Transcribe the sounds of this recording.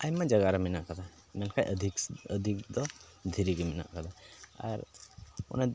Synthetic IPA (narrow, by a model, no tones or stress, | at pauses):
ajmad͡ʒaɡaɾaminaʔkad̪a | mɛnkʰajʔəd̪ʱikəd̪ʱik̚d̪ɔ | d̪ʱiɾiɡimina̰ʔkad̪aa̰ɾɔ̰na